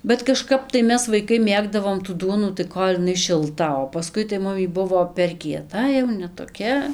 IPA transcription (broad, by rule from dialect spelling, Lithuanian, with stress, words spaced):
bʲɛt kɐˈʃkɐp tɐɪ ˈmʲɛs ʋɐɪˈkɐɪ ˈmʲeːɡdɐʋoːm tuː ˈduɔnuː tɐɪ ˈkoːlʲ ɪˈnɐɪ ʃʲɪlˠˈtɐ oː pɐˈskʊɪ tɐɪ ˈmʊm iː ˈbʊʋoː pʲɛr kʲiɛˈtɐ jɛʊ nʲɛ toːˈkʲɛ